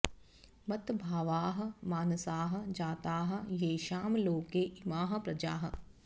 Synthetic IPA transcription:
mɐt̪bʱaːʋaːɦɐ̆maːnsaːɦɐ̆d͡ʒaːt̪aːɦɐ̆jeːʃaːmloːkeːʔɪmaːɦɐ̆pɾɐd͡ʒa̰ːɦɐ̆

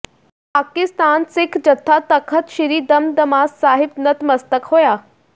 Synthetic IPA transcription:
paːkɪst̪aːnsɪkʰd͡ʑɐt̪ʰːat̪ɐkʰət̪ʃɪɾid̪ɐmd̪ɐmaːzsaːɦɪb̚nɐt̪mɐst̪əkɦoːjaː

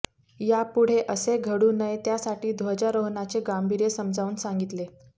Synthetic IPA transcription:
japuɽ̤eʔəseɡʱəɽuːnəjt̪jasaʈiːd̪ʱʋəd͡ʑaɾoɦnat͡seɡambʱiɾjesəmd͡zʱauːnsaŋɡit̪le

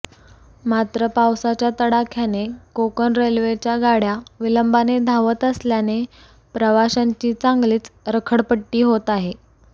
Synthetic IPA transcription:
mat̪ɾəpawsat͡ɕjat̪əɽakʰjanekokənɾelʋet͡ɕjaɡaɽjaʋiləmbaned̪ʱaʋət̪əsljane | pɾəʋaɕaɲt͡ɕiːt͡saŋɡliːt͡sɾəkʰəɽpəʈːiːɦot̪aɦe

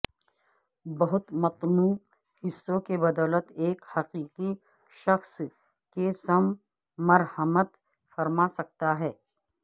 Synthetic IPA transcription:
bɐɦʊt̪mɐt̪nuː | hɪsːõkebɐd̪ɔːlət̪eːkhɐqiːqi | ʃɐxs | kesɐmː | ɐɾhəmət̪ | fɐɾmasɐk̚t̪aɦɛː

